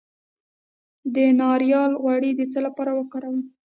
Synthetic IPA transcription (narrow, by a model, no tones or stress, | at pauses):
d̪ənɑɾjɑlɣwaɽid̪ət͡səlapɑɾawəkɑɾawə